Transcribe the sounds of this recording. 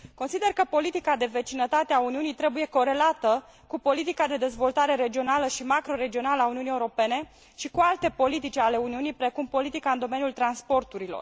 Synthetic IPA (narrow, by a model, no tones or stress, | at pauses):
ko̞nsid̪e̞rkəpo̞lit̪ikad̪e̞ve̞t͡ʃinət̪at̪eauniunijt̪ɾe̞buje̞ko̞ɾe̞lat̪ə | kupo̞lit̪ikad̪e̞d̪e̞zvo̞lt̪aɾe̞ɾe̞d͡ʒio̞naləʃimakɾo̞ɾe̞d͡ʒio̞naləauniuniːeuɾo̞pe̞ne̞ | ʃikualt̪e̞po̞lit̪̬it͡ʃʲale̞uniunijpɾe̞kumpo̞lit̪ikaɨnd̪o̞me̞njult̪ɾanspo̞rt̪uɾilo̞̰r